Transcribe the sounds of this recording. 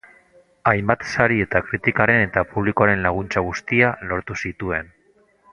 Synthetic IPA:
ajmbat̪saɾie̞t̪akɾit̪ikaɾe̞ne̞t̪apuβlikoaɾe̞nlaɣ̞unt͡saɣust̪ialo̞ɾt̪usit̪ue̞n

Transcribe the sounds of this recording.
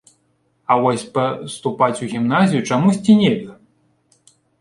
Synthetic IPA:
ɐvɔsʲpɐst̪upat͡sʲuɣʲimnazʲijut͡ʂamusʲt͡sʲinʲɛlʲɐ

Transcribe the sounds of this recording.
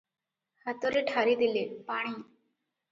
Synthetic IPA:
hat̪oɾeʈʰaɾid̪ilepaɽ̃iː

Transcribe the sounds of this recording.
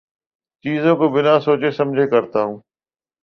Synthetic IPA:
t͡ʃiːzõkobɪnasoːt͡ʃesɐmd͡ʒʱekəɾt̪aːɦũː

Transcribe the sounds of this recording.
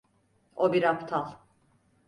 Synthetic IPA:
obiɾapt̪ʰalˠ

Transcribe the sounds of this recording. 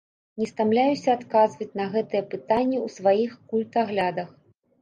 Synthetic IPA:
nʲɛst̪amlʲajusʲɐat̪kazvɐt͡sʲnɐɣɛt̪ɨjɛpɨt̪anʲːɛwsvajixkulʲt̪aɣlʲad̪ɐx

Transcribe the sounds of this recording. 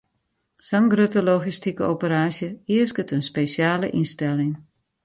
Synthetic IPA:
saŋɡrøtəloɣistikəopəɾaːʃjəiəskətənspesjaːləʔinstɛlɪŋ

